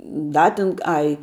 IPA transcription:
ˈdɐ tʲɪn ˈɐɪ

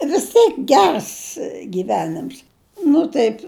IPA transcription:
ʋʲɪs ˈtʲeːk ˈɡʲɛrs ɡʲiːˈʋʲæːnʲɪms ˈnʊ tɐɪp

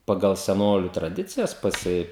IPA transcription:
pɐˈɡɐlˠ sʲɛˈnoːlʲʊ trɐˈdʲɪt͡sʲɪjɛs pɐˈsʲɪ

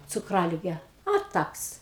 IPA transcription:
t͡sʊkˈrɑːlʲɪɡʲɛ ɐ ˈtɐks

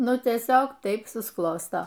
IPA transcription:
ˈnʊ tʲiɛˈsʲoːk ˈtɐɪp sʊsˈklˠoːstoː

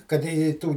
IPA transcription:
kɐt ˈɪ ɪ ˈtuː

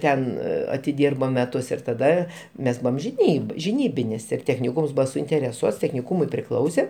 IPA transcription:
ˈtʲɛn ɐtʲɪˈdʲiːrboː mʲɛˈtʊs ɪr tɐˈdɐ ˈmʲɛs ˈbuːʋɐm ʒʲɪˈnʲiːp ʒʲɪˈnʲiːbʲɪnʲɪs ɪr tʲɛxʲnʲɪˈkuːms ˈbuːʋɐ sʊɪnʲtʲɛrʲɛˈsuɔts tʲɛxʲnʲɪˈkuːmʊɪ pʲrʲɪˈklˠɐʊsʲɛ

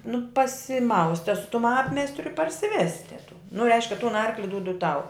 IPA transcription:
nʊ pɐsʲɪˈmɐʊsʲtʲɛ sʊ tʊm ˈɑːpʲmʲeːsʲtʲrʲʊ ɪ pɐrʲsʲɪˈʋʲæːsʲtʲɛ tuː nʊ ˈrʲɛɪʃʲkʲɛ tʊn ˈɐrklʲɪ ˈduːdʊ ˈtɐʊ

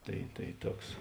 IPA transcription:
ˈtɐɪ tɐɪ ˈtuɔks

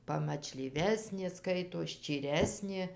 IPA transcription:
pɐmɐt͡ʃʲlʲiːˈʋʲæːsʲnʲeː ˈskɐɪtoːs ʃʲt͡ʃʲiːˈrʲæːsʲnʲeː

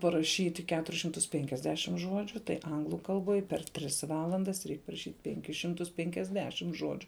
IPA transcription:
pɐrɐˈʃʲiːtʲɪ ˈkʲæːtʊrʲɪs ʃʲɪmˈtʊs ˈpʲɛŋʲkʲɛzʲdʲɛʃʲɪm ˈʒoːd͡ʒʲʊ tɐɪ ˈɐŋɡlˠʊ kɐlˠˈboːj pʲɛr ˈtʲrʲɪs ˈʋɑːlˠɐndɐs ˈrʲɛɪk pɐrɐˈʃʲiːtʲ ˈpʲɛŋʲkʲɪs ˈʃʲɪmtʊs ˈpʲɛŋʲkʲɛzʲdʲɛʃʲɪm ˈʒoːd͡ʒʲʊ

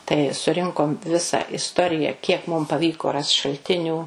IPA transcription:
tɐɪ sʊˈrʲɪŋkoːm ʋʲɪsɐ ɪsˈtoːrʲɪjɛ ˈkʲiɛk mʊm pɐˈʋʲiːkoː rɐst ʃɐlʲˈtʲɪnʲuː

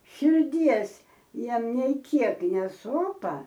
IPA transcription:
ʃʲɪrʲˈdʲiɛs ˈjiɛm nʲɛɪ ˈkʲiɛk nʲɛˈsoːpɐ

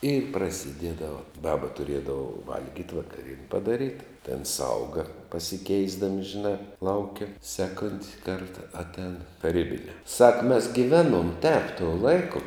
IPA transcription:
ɪ prɐsʲɪˈdʲiɛdɐʋɐ ˈbɑːbɐ tʊˈrʲiɛdɐʋɐ ˈʋɐlʲɡʲiːtʲ ʋɐkɐˈrʲiɛnʲ pɐdɐˈrʲiːt tʲɛn ˈsɐʊɡɐ pɐsʲɪˈkʲɛɪzdɐmʲɪ ʒʲɪˈnɑː ˈlˠɐʊkʲɛ ˈsʲæːˌkoːnʲtʲ ˈkɐrtɐ ɐtʲˈɛːn tɐˈrʲiːbʲɪnʲɛː sɐk mʲɛs ɡʲɪˈʋʲæːˌnuɔm tʲɛːp tuɔ ˈlˠɐɪkʊ

